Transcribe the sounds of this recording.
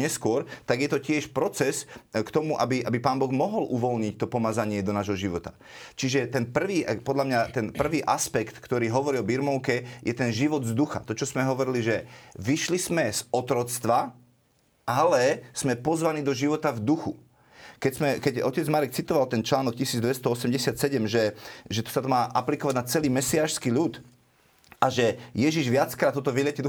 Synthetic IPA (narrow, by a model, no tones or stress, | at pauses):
ɲɛskʊɔɾt̪aɡjɛt̪ɔcɪɛʃpɾɔt͡sɛskt̪ɔmuʔabiʔabipaːnbɔɣmɔɦɔlʔuʋɔlɲic̚t̪ɔpɔmazaɲɪɛd̪ɔnaːʒɦɔʒiʋɔt̪a | t͡ʃiʒɛt̪ɛnpr̩ʋiːpɔd̪lamɲat̪ɛnpr̩ʋiːʔaspɛkt̪kt̪ɔɾiːɦɔʋɔɾiɔbiɾmɔʊkɛjɛt̪ɛnʒiʋɔd̪zd̪uxa̰t̪ɔt͡ʃɔzmɛɦɔʋɔɾiliʒɛʋiʃlismɛz̥ɔt̪ɾɔt͡st̪ʋa | ʔalɛsmɛpɔzʋaniːd̪ɔʒiʋɔt̪avd̪uxu | kɛcz̥mɛkɛɟɔcɛd͡zmaɾɛk̚t͡sit̪ɔʋalt̪ɛnt͡ʃlaːnɔk̚cisiːd͡zd̪ʋɛst̪ɔɔsɛmɟɛsɪat̪sɛɟɛmʒɛʒɛt̪ɔ̥sat̪ɔmaːʔaplikɔʋaɟnat͡sɛliːmɛsiaːʃskiːʎut̪ | ʔaʒɛjɛʒiʒʋɪat͡skɾat̪ːɔt̪ɔʋilɪɛcid̪u